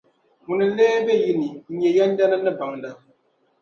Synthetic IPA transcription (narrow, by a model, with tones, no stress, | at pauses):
ŋu˨nɨ˨˦lɛː˦bɛ˦ji˨ni˨ɲɛ˨ja˦n˦da˦na˦nɨ˦ba˨ŋda˦